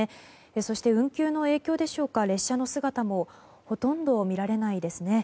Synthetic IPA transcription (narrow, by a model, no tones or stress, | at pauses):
e | so̞ɕi̥t̪e̞ɯ̟̃ŋkʲɨːno̞e̞ːkʲo̞ːd̪e̞ɕo̞ːkaɾe̞ɕːano̞sɨɡat̪amo̞ | ho̞t̪õ̞nd̪o̞mʲiɾaɾe̞naid̪e̞sɨne̞